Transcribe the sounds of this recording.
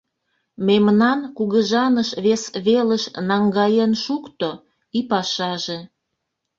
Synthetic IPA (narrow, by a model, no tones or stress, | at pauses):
memnɑnkuɣəʒɑnəʃβesβeləʃnɑŋɡɑjenʃukt̪o | ipɑʃɑʒe